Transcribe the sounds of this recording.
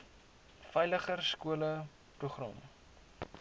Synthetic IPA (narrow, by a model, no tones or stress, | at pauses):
fɛjləχərskuələ | pɾuχrɔ̰m